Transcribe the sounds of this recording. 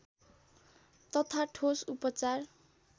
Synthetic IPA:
t̪ʌt̪ʰaʈʰosupʌt͡sar

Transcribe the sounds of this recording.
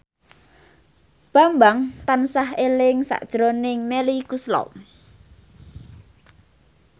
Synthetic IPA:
b̥a̤mbaŋt̪ansahelɪŋsa̰ʔd̥ʒ̥ɾonɪŋmelikuslɔ̰

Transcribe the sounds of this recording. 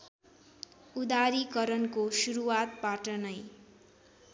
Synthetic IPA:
ud̪aɾikʌɾʌnkosuɾuwat̪̚baʈʌnʌj

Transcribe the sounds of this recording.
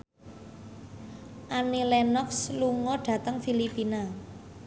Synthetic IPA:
ʔanilɛnɔksluŋɔɖ̥ä̤t̪əŋfilipina

